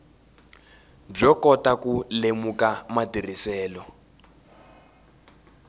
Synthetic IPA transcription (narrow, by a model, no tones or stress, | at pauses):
b͡ʐɔkɔtakulemukamatirisɛːlɔ